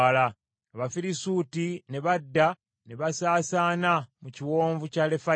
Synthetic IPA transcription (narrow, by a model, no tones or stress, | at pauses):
la | βafiɾisuːtine̞βadːa | ne̞βasaːsaːnamuciwo̞ːɱvucale̞fa